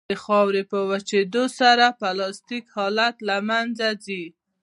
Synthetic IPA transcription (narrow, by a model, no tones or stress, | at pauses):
əxɑwɾepəwat͡ʃed̪osaɾapalɑst̪ikhɑlat̪lamand͡zazi